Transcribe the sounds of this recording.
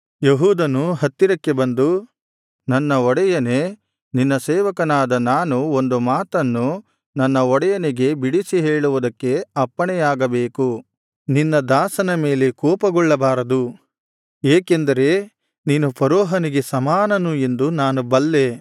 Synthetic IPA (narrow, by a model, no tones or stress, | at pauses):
jeɦuːd̪ɐnuɦɐt̪ːiɾɐkːe̞bɐnd̪u | nɐnːɐɔɽɛjɐne̞ | ninːɐsɛːʋɐkɐnaːd̪ɐnaːnuo̞nd̪umaːt̪ɐnːu | nɐnːɐɔɽɛjɐniɡe̞biɽisiɦeːɭuʋud̪ɐkːe̞ɐpːɐɳɛjaːɡɐbeːku | ninːɐd̪aːsɐnɐme̞ːle̞kɔːpɐɡɔɭːɐbaːɾɐd̪u | eːkend̪ɐɾe̞ | niːnupʰɐɾɔːɦɐniɡe̞sɐmaːnɐnue̞nd̪unaːnubɐlːe̞